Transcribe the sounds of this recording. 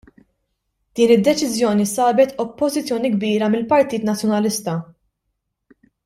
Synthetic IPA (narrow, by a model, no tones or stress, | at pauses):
d̪̥iːnɪd̪ːɛt͡ʃɪzjɔːnisɐːbɛt̪ɔpːɔzɪt͡sːjɔːniɡbiːɾɐmɪlpɐɾt̪iːt̪nɐt͡sjɔnɐlɪst̪ɐ